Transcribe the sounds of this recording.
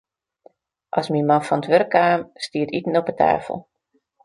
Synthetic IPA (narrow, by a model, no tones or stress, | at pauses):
ʔasmimanfɔnətʋørkʰːaːmstiətitən̩ɔpətʰa̰ːfə̰l̩ˠ